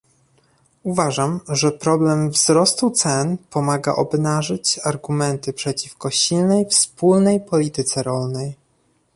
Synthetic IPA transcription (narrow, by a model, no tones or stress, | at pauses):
uvaʐamʐɛpɾɔblɛmvz̥ɾɔst̪ut̪sɛnpɔmaɡa̰ʔɔbnaʐɘt͡ɕaɾɡumɛnt̪ɘpʂɛt͡ɕifkɔɕilnɛjfspulnɛjpɔlʲit̪ɘt̪sɛɾɔlnɛj